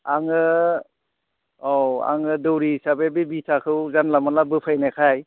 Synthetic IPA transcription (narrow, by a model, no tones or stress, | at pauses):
aŋɯ | ɔa̰ŋɯdɯwɾisabebibitʰakʰɯwzanlamanlabɯpʰajnakʰaj